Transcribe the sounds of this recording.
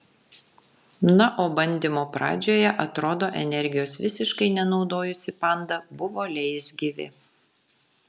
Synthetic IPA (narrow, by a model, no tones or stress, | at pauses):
nɐʔoːbɐnʲd̪ʲimoːpɾɑ̰ːd͡ʒʲoːjɛʔɐt̪ɾoːd̪oːʔɛnʲɛɾʲɡʲɪjoːsʋʲɪsʲɪʃkɐɪnʲɛnɒʊd̪oːjʊsʲɪpɐˑnd̪ɐbʊʋoːlʲɛɪsʲɡʲɪʋʲɪ̰